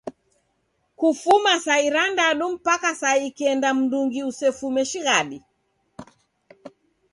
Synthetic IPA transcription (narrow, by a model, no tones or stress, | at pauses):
kufumasaiɾandaɗum̩pakasaiːkiɛndam̩duŋɡiusɛfumɛʃiɣaɗi